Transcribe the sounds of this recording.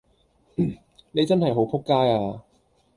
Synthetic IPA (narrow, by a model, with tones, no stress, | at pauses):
ne˨˧jt͡sɐ˥nhɐ˨jɦo˨˥wpʰʊ˥kːaː˥jaː˧